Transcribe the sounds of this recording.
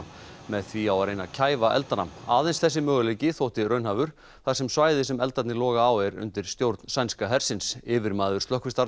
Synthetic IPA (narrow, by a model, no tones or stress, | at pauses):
mɛðθviawaɾejnacʰaːjvaʔɛ̰lt̪ana̰maːðejnsθɛsːɪmœːɣʏlejcɪθowht̪ɪɾrœɥnɦaːvʏɾ̥ | θaðsɛmsvaːjðɪsɛmɛlt̪at̪nɪlɔːɣaːwɛɾʏ̰nt̪ɪɾ̥st̪jowɾt̪nsajnskaɦɛɾ̥sɪnsɪːvɪɾmaːðʏɾ̥st̪lœhkvɪst̪a